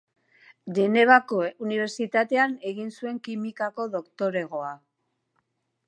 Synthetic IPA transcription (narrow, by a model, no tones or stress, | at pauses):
ʎene̞βakouniβ̞e̞ɾsit̪at̪e̞ane̞ɣinsue̞ŋkimikako̞ðo̞kt̪o̞ɾe̞ɣ̞o̞a